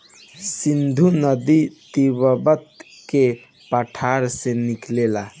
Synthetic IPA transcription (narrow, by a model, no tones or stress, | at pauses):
sind̪ʱunəd̪it̪ibəbət̪ | ke | pəʈʰaɾsẽniklela